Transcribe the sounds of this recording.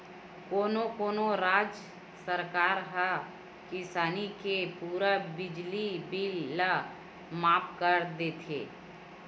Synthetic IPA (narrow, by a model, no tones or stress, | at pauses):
koːnokoːnoɾaːd͡ʒ | səɾkaːɾɦa | kɪsaːnikepuːɾabɪd͡ʒlibilːa | maːpkəɾd̪eːt̪ʰḛː